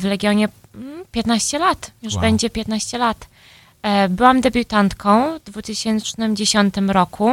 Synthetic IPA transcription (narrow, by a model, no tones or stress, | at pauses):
vlɛɡʲjɔɲɛpʲjɛt̪naɕt͡ɕɛlat̪juʐbɛɲd͡ʑɛpʲjɛt̪naɕt͡ɕɛlat̪ | bɘwamd̪ɛbʲut̪ant̪kʰɔ̃w̃vd̪vut̪ɘɕɛnt͡ʂnɘmd͡ʑeɕɔnt̪ɘmɾɔkʰu